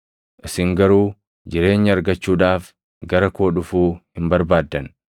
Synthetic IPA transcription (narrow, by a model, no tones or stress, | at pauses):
ʔɪsɪŋɡɐɾuː | d͡ʒɪɾe̞ːɲːɐɐɾɡɐt͡ʃːuːᶑaːf | ɡɐɾɐko̞ːᶑʊfuːhɪmbɐɾbaːd̪ːɐn